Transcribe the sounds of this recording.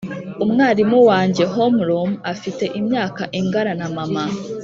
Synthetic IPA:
umŋaːɾimuwaːɲɟe̞ɦomuɾomafite̞ʔimɲaːkaʔiŋɡaɾanamama

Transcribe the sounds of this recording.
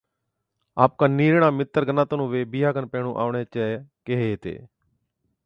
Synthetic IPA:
aːp̚kãːniːɾɳaːmɪt̪ːəɾɡənːaːt̪oːnũːʋeːbiːjaːkənpeːɽ̃ũːʔa̰ːɳeːt͡ʃakeɦeːt̪ḛː

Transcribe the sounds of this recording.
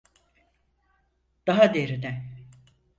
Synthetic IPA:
d̪̥aɦad̪eɾinɛ

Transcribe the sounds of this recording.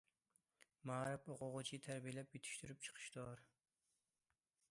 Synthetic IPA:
mɑːɾɨpoqʊʁʊt͡ʃʰit̪ʰæɾbijelɛpjyt̪ʰy̥ʃt̪yɾyp̚t͡ʃʰə̥qʰə̥ʃt̪oɾ

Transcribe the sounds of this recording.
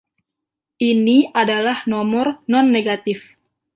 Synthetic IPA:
ʔiniadalahnɔmɔrnɔnːeɡat̪ɪf

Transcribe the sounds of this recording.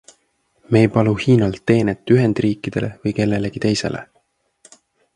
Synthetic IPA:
me̞ːjpɑluhiːnɑlt̪ːe̞ːnet̪ːˑyɦe̞nd̪̥riːkːˑid̪̥e̞̰lʔe̞vɤjke̞lːe̞le̞ɡ̥it̪e̞jse̞̰lḛ

